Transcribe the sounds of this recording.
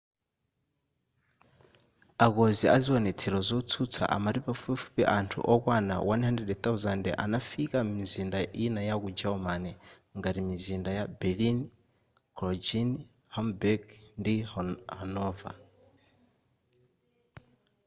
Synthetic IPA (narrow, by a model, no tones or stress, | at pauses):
akɔziaziwɔnɛt͡sʰɛɾɔzɔut͡sʰut͡sʰa̰ʔa̰maɾipafupɛfu̥pɛʔantʰṵʔɔkwana̰wanhandɛdɛt̪auzandɛʔa̰nafikamizindaʔinajakud͡ʒaɔmanɛ | ŋɡaɾimizindajabɛlin | klɔd͡ʒin | hɔmbɛɡndihanɔːva̰